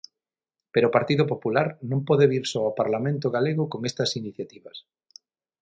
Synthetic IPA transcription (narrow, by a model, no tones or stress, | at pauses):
peɾopaɾt̪iðopopulaɾnõmpɔðeβiɾsoapaɾlamẽnt̪̬oɣaleɣokoŋest̪ɐsiniθjat̪iβɐs